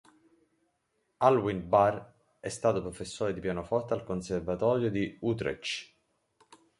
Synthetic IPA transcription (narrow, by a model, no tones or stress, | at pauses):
alwinbar | ɛst̪aːt̪opɾofesːoːɾed̪ipjaːnofɔrt̪alkonservat̪ɔːɾjod̪iut̪ɾḛt͡ʃ